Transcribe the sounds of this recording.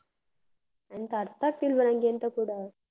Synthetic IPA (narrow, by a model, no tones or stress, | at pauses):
anit̪aɾt̪ak̚tilbəɾãŋɡient̪əkuɽa